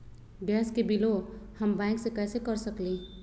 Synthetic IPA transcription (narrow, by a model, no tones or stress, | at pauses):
bɛːskebɪlohəmbɛ̃ːŋksekɛːsekəɾsəkli